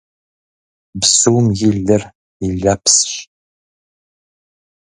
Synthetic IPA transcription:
bsuwmjɪɮɨr | iɮɐpsɕ

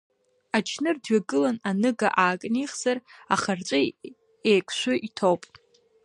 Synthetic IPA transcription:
at͡ʃʰnɨrdɥaɡɨlananɨɡa̰ʔaːkʼniχz̥ara̰χart͡ʃʷʼɨ | ejkʷʰʼʃʷʊʔitʰowpʼ

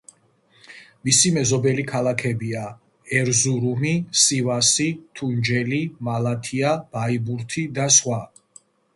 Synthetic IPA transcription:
misimɛzɔbɛlikʰalˠakʰɛbia | ɛɾzuɾumisivasit̪ʰund͡ʒɛlimalat̪ʰiab̥aibuɾt̪ʰid̪asχwa

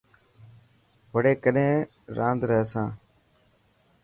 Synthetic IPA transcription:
ʋəɽeːkəɗẽː | ɾãːnd̪ɾəɦeːsãː

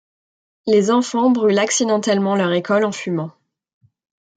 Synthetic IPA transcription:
lezɑ̃fɑ̃bʁylaksid̪ɑ̃t̪ɛlmɑ̃lœʁekɔlɑ̃fymɑ̃

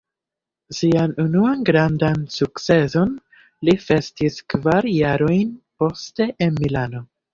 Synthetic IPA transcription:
sianunuanɡɾandansuk̚t͡se̞so̞n | life̞stiskvaɾjaɾo̞jnpo̞ste̞ʔenmilano̞

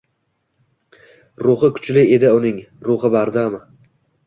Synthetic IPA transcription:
ɾʊχɪkʰʊ̥t͡ʃlɪe̞d̪ɪʊnɪŋɾʊχɨbaɾd̪amɪ

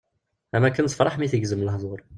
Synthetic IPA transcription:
æmækːənt̪fɾˤɑħmiθəɡzəmləhðˤoɾˤ

